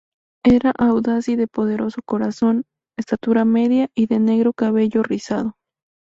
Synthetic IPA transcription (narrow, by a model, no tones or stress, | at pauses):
e̞ɾaʔawðasiðe̞po̞ðe̞ɾo̞so̞ko̞ɾaso̞n | est̪at̪uɾame̞ðjaiðe̞ne̞ɣɾo̞kaβe̞ʝorisað̞o̞